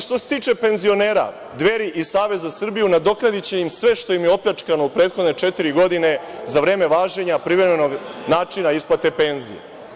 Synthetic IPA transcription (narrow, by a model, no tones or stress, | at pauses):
ʃt̪o̞se̥t̪iːt͡ʂe̞pe̞nzio̞neːɾa̰ | d̪ʋe̞ɾiʔisaːʋe̞zasr̩bijunad̪o̞knad̪it͡ɕe̞imsʋe̞ʃt̪o̞jimjeo̞pʎat͡ʂkano̞upɾet̪xod̪ne̞t͡ʂet̪iɾiɡo̞d̪ine̞ | zaʋɾe̞ːme̞ʋaːʒe̞ɲapɾiʋɾemeno̞ɡnaːt͡ʂinaisplat̪e̞pe̞nzḭḛ